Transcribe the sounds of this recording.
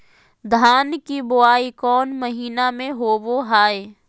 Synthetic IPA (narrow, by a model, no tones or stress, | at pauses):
d̪ʱaːnkibʊaːikɔːnməɦiːnamẽɦoːʋoɦaːeː